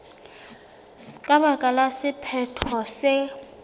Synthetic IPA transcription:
kʼaɓakʼalasɪpʰɛtʰɔsɛ

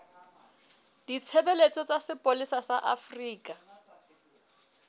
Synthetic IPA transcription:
d̥it͡sʰebelet͡sʼɔt͡sasɪpʼolisasaʔafriːkʼa

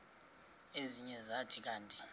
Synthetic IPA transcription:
eziɲɛzatʰʼik̬ʼaːntʼi̥

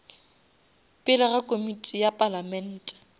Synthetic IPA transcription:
pʼɪlɪɣakʼomitʼijapʼalamɛn̩ːtʼɛ̥

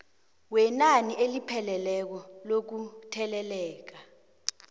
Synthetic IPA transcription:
wɛnaniʔelipʰɛlɛlɛk̬ɔlok̬utʰɛlɛlɛːk̬a

